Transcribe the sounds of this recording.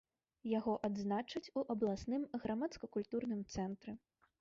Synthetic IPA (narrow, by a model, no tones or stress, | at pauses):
jaɣɔʔad̪znat͡ʂɐt͡sʲuʔɐblˠasnɨmɣɾʔamat̪skɐkulʲt̪urnɨmt̪sɛnt̪ɾɨ